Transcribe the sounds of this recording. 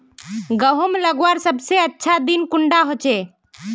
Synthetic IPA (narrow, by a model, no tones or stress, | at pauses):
ɡəɦomeləɡwaɾsəbseətːʃʰad̪inkuɳɖaɦot͡ʃɛ